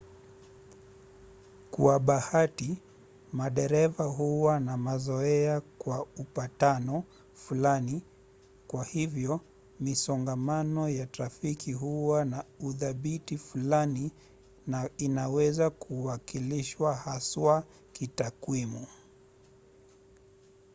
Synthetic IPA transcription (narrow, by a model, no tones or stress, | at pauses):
kw̰aɓahati | maɗɛɾɛvaɦuwanamazɔɛakwaupatanɔ | fulani | kwahivjɔ | misɔŋɡamanɔjatafikʰiɦuwanauθaɓitifulani | ninawɛzakʰuwakiliʃwahaswa | kitakwimu